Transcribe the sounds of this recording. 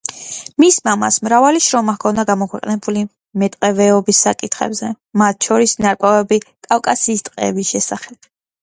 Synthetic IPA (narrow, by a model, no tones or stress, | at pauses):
mismama̰smɾavaliʃɾɔmakʰɔnd̪aɡamɔkʰwɛqʼnɛbuli | mɛt̪ʼqʼɛvɛɔbisːakʼit̪ʰχɛ̰bzɛ | mat̪̚t͡ʃʰɔɾisnaɾkʼwɛvɛbikʼafkʼasiːst̪ʼqʼɛ̰ːbisʃɛsaχɛb̥